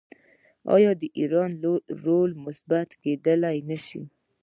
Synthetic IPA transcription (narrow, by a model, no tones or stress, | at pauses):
ɑ̰jɑd̪əʔiɾɑnɾolmʊsbat̪ked̪əlajnaʃḭ